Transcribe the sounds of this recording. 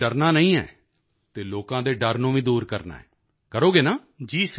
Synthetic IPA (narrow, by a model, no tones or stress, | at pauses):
əɾnaːnəĩːɛ̰ː | t̪eːloːkãːd̪eːɖəɾnũːʋĩːd̪uːɾkəɾna̰ːɛ̰ː | kəɾoːɡeːnaː | d͡ʒiːs